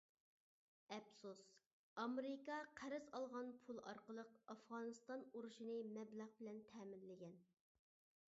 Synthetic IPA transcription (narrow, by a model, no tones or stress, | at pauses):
ɛpsus | ɑmeɾɪkɑqʰæɾɪzɑlˠʁɑnpʰulˠɑ̰ɾqəlˠəqɑfʁɑːnɨst̪ɑnuɾuʃinɨmɛblæʁbɪlɛnt̪ʰɛːmɪnlɪɡʲɛn